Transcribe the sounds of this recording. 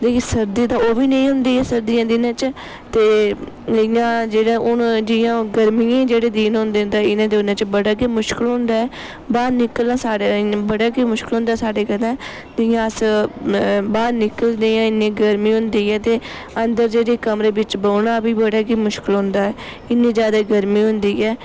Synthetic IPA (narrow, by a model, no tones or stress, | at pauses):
d̪eːkʰeːsəɾd̪ĩːt̪ãːoːʋiːnə̃ĩːɦʊnd̪iːɦɛːsəɾd̪ɪːãːd̪iːnãːt͡ʃ | t̪eː | ɪjãːd͡ʒeːɽaːʔʊnd͡ʒɪjãːɡəɾmijãːd͡ʒeːɽeːd̪iːnɦʊ̃nd̪ẽːnd̪aɪnãːd̪eːʊnãːt͡ʃbəɽaːkeːmʊʃkɪlɦʊ̃nd̪aːɛː | baːɾnɪkəlnãːsaːɽãbəɽaːkeːmʊʃkɪlɦʊ̃nd̪aːsaːɖeːkənãː | d̪ɪjãːəs | baːɾnɪkəld̪eːãːɪnẽːɡəɾmiːɦʊ̃nd̪iːɦɛːt̪eː | ənd̪əɾd͡ʒeːɽeːkəmɾeːbɪt͡ʃbəːnãːbiːbəɽaːkiːmʊʃkɪlɦʊ̃nd̪aːɛː | ɪnːẽːd͡ʒjaːd̪aːɡəɾmiːɦʊ̃nd̪iːɛː